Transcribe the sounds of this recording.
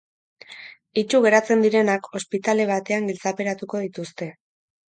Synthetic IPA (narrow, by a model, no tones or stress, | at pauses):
it͡ʃuɣe̞ɾat͡se̞nd̪iɾe̞nako̞spit̪ale̞β̞at̪e̞aŋɡilt͡sape̞ɾat̪uko̞ð̞it̪ust̪e̞